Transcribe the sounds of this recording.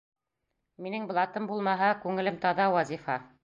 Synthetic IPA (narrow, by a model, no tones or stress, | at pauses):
minɘŋb̆lˠɑt̪ɤmbulˠmɑɦɑkʉŋɘ̆lɘmt̪ɒðɑwɑzʲifɑ